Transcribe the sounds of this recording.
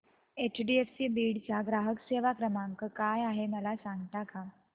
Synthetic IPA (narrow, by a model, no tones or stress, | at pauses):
et͡ɕɖiefsiːbiːɽt͡ɕjaɡɾaɦəkseʋakɾəmaŋkəkajaɦeməlasãŋɡt̪aka